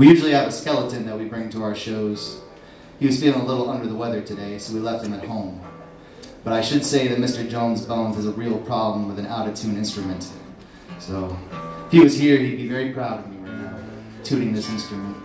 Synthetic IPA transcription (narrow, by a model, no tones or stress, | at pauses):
wijʉʒl̩ˠiɨvɨskɛlˠəɾɨ̃nðɨt̚wibɹɪ̃ŋtʰəaʊə˞ʃoʊz̥ | hiwʌz̥filˠɪ̃ŋəlɪɾl̩ˠʌ̃ndə˞ðəwɛðə˞tʰɨdeɪsoʊwilɛft̚hɨ̃mɨt̚hõʊ̃m | b̥ʌɾaɪʃɨdseɪðɨt̚mɪstə˞d͡ʒõʊ̃nzbõʊ̃nz̥ɨzəɹil̩ˠpʰɹ̥ɑblə̃mwəðɨ̃naʊɾɨtʰʉ̃nɪ̃nstɹ̥ɨmɨ̃nt | soʊfhiwʌz̥hiɹid̚bivɛɹipʰɹ̥aʊɾʌvmiwəna | tʰʉɾɪ̃ŋðɪsɪ̃nstɹ̥ɨmə̃nt̚